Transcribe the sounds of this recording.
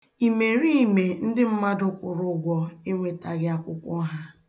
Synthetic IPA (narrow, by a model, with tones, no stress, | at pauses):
i˨me˨ɾi˦i˨me˨n̩˦dɪ˦m̩˦ma˦dʊ˦kʷʊ˨ɾʊ˦ɡʷɔ˦e˦ŋʷe˦ta˨ɡɪ˦a˦kʷʊ˦kʷʊ˦ɦa˦